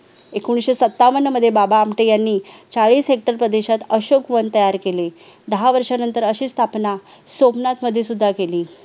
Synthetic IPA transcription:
ekuɽ̃isɕesət̪ːaʋənəməd̪ʱːjebabaːmʈejanːiːt͡saɭiːsɦek̚ʈəɾpɾəd̪eɕat̪əɕokʋənt̪əjaɾkele | d̪əɦaʋəɾʂanənt̪əɾəɕiːst̪ʰapna | somnat̪məd̪ʱːjesud̪ʱːakeliː

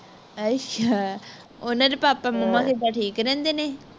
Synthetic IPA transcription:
ət͡ʃa | ʊnãːɾeːpaːpaːməmːãːkʰeːb̪aːʈʰiːkɾɛ̃ːnd̪eːneː

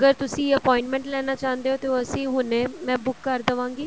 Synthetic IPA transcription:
ɡəɾt̪ʊsĩːəpɔːɪ̃ɳʈmɛ̃ɳʈlɛːnaːt͡ʃãːnd̪eːoːt̪eəsĩːɦʊneːmɛ̃ːbʊkːəɾd̪əʋãːŋɡiː

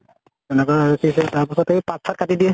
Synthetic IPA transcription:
ɛnɛkaaɹɔkʰisɛtaɹpasɔteipak̚sʰat̚kʰatidiɛ

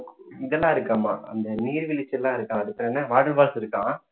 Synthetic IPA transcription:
ɪðɛlːãːɪɾɯkːãːma̰ːɐ̰nd̪ɐniːɾʋɪlɪt͡ʃːɛlːãːɪɾɯkːãːɐðɯpːɐɾnːɐʋaːɽɐɭʋaːsɪɾɯkːãː

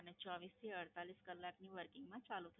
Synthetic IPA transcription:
ənet͡ʃɔʋist̪ʰiəɽt̪aliskəlːakniʋəɾkɪŋɡmãt͡ʃalut̪ʰə

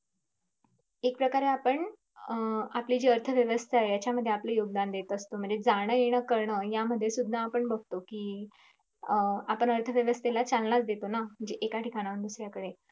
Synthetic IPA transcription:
ek̚pɾəkaɾeapəɳ | aplid͡ʑiəɾt̪ʰəʋjəʋəst̪ʰajat͡ɕjaməd̪ʱːjeapləjoɡ̚d̪and̪et̪əst̪om̤əɳd͡zed͡zaɽ̃əjeɽ̃əkəɾɳəjaməd̪ʱːjesud̪ʱːaːpəɳbəɡ̚t̪okiː | apəɳəɾt̪ʰəʋjəʋəst̪ʰelat͡salnat͡sd̪et̪onam̤əɳd͡ʑeʔekaʈikaɽ̃aʋənd̪usɾjakəɽe

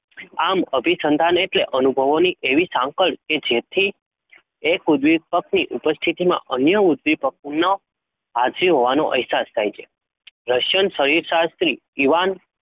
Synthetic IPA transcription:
aməbʱisənd̪ʱaneʈleʔənubʱəʋoniʔeʋisãŋkəɭked͡ʒet̪ʰi | ekud̪ʋipəkniʔupəst̪ʰit̪imã̰ʔənjəud̪ʋipək̚nə | ɦad͡ʒɾiɦoʋano̰ʔəɦɛsast̪ʰajt͡ʃʰe | ɾəʃjənsəɾiɾʃast̪ɾi | iʋan

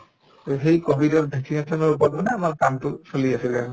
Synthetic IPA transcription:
ɦejkobʱidɔtdeksinesɔnɔɹup̬ɔt̚bɔnɛamaɹkamtʊsoliasilɛa

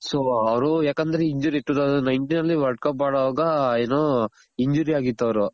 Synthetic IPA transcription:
soːɐʋɾujaːkɐnd̪ɐɾeiɲd͡ʒuːɾiiʈːud̪ɐd̪unɐjɳʈinɐlːiʋɐlʈkɐpːmaːɽɐʋaːɡɐeːno | iɲd͡ʒuːɾiaːɡit̪ːɐʋɾu

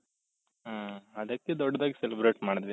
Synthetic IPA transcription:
ɦaːɐd̪ɐkːed̪ɔɖːɐd̪aːɡiselibɾeːʈmaːɽd̪ʋi

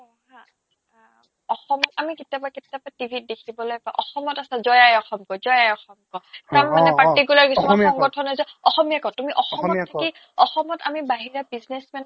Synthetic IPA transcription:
ɦã | ɔxɔmɔtamiketjabaketjapatibʱit̚dekʰibɔlojpaʔɔxɔmɔtasazɔjajɔxɔmkɔzɔjajɔxɔmkɔtamːanɛpaɹtik̬ulaɹkisuɔŋɡɔtʰɔnazɔɔxɔmijakɔ̃tumiʔɔxɔmɔttʰaki | ɔxɔmɔta̰mibaɦiɹabiznesmɛn

